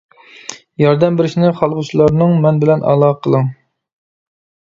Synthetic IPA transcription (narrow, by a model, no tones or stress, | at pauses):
jɑɾd̪ɛmbɪɾɪʃnɪχɑlˠʁʊt͡ʃʰilˠɑɾnɨŋmɛnbɪlɛnʔɑ̰lˠɑqʰəlˠɨŋ